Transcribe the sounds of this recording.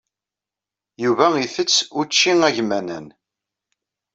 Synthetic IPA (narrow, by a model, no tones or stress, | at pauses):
juvæiθət͡sːʊɾt͡ʃːiŋæʝmænə̰n